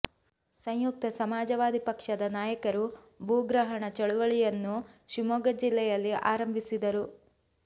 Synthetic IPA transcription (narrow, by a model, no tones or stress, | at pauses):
sɐɲjuk̚t̪ɐsɐmaːd͡ʒɐʋaːd̪ipɐkʂɐd̪ɐnaːjɐkɐɾu | bʱuːɡɾɐɦɐɳɐt͡ʃɐɭuʋɐɭijɐnːuʃimoːɡɐd͡ʒilːɛjɐlːiʔa̰ːɾɐmbʱisid̪ɐɾu